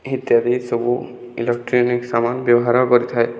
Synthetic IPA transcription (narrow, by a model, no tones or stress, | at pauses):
ɦit̪jad̪isɔbu | ḭlek̚ʈɾiniksamanbjɔbɔɦaɾɦɔkɔɾit̪ʰae